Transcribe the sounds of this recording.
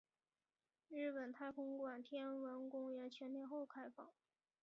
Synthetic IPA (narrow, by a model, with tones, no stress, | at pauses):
ɻɻ̩˥˩pə˨˩nt̪ʰa˥˩ɪkʰʊ˥ŋkwa˨˩nt̪ʰjɛ˥nwə˧˥nkʊ˥ŋɥɛ˧˥nt͡ɕʰɥɛ˧˥nljɛ˥˧nxo˥˩ʊkʰa˥ɪfɑ˥˩ŋ